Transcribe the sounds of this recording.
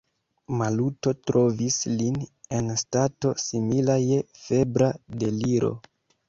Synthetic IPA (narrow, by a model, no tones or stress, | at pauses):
maluto̞tɾo̞visline̞nstato̞similaje̞fe̞bɾade̞liɾo̞̰